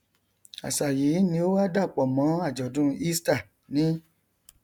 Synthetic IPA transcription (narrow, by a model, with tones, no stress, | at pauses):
a̰˨sa˨ji˨˦nĩ˧˦o˦wa˦da˦˨k͡pɔ˨mɔ̃˨˦a˦˨d͡ʒɔ˨dũ˦i˦sta˦˨ | nĩ˦